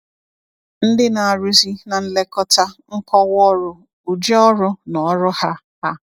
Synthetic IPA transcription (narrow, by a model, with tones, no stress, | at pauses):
n̩˦dɪ˦na˨a˨ɾu˦zi˦na˨n̩˦le˦kɔ˦ta˦ŋ̩˦kɔ˦wɔ˦ɾʊ˨ | u˨d͡ʒɔ˦ɾʊ˦nɔ˨˦ɾʊ˦ha˦ | ha˦